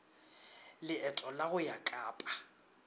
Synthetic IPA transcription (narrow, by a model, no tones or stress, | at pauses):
lɪɛtʼɔlaɣʊjakʼaːpʼa